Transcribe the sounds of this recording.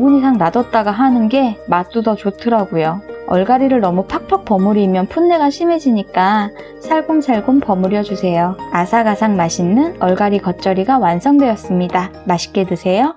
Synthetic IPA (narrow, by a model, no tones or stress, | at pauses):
ɡuɲisʰaŋnadʌt̚t͈aɡaɦanɯnɡe̞mat͈udʌt͡ɕotʰɯɾaɡujoʌ̰ɭɡaɾiɾɯɭnʌmupʰak̚pʰak̚p͈ʌmuɾimjʌnpʰunːe̞ɡaɕʰime̞d͡ʑiɲik͈a | sʰaɭɡumsʰaɭɡumpʌmuɾjʌd͡ʑusʰe̞joasʰaɡasʰaŋmaɕʰinːɯnʌɭɡaɾikʌt̚t͡ɕ͈ʌɾiɡawansʰʌŋdwe̞jʌs͈ɯmɲidamaɕʰi̥k͈e̞dusʰe̞jo